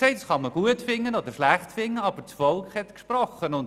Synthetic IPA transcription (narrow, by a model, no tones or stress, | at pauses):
sɛɪtəsχɑməɡ̥uətfɪŋːənodəɾʃlæχtfɪŋːəɑbət͡sfɔlˠkχhɛtkʃprɔχənʊn